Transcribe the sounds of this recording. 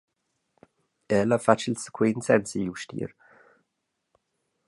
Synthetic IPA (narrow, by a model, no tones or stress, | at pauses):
ɛːlafat͡ʃəlsə̥kʰwiːnsɛnsijuʃtḭːɾ